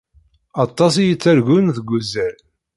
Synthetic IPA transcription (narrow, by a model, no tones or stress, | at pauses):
ɑt̪ˤːɑs̬ijət͡sːæɾʝunθəɡʷːuzːæɾ